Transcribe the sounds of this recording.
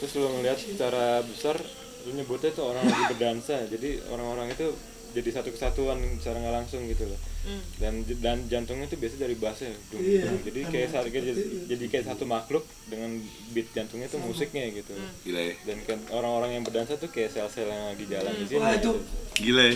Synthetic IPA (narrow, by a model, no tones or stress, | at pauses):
t̪ɾʊslʊŋəliɦat̪sət͡ʃaɾabəsar | suɲəbʊt̪at̪uoɾaŋlaɡibərdansad͡ʒadio̰ɾaŋoɾaŋit̪u | d͡ʒadisat̪ukə̥sat̪uansaɾaŋalaŋsʊŋɡit̪uladandad͡ʒant̪ʊŋɲat̪ubiasadaɾibasaduŋdʊŋd͡ʒadikajaʔsakajd͡ʒadikajaʔsat̪umaklʊk̚dəŋan | bɪt̪̚d͡ʒant̪ʊŋɲat̪umusɪk̚ɲaɡit̪uɡiladankajaoɾaŋoɾaŋjaŋbərdansat̪uhkajaʔsɛlsɛljaŋlaɡid͡ʒalandisiɡiuɡilaj